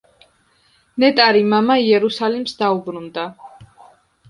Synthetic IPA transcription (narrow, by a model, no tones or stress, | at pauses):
nɛt̪ʼaɾimamaiɛɾusalimsd̪aubɾund̪a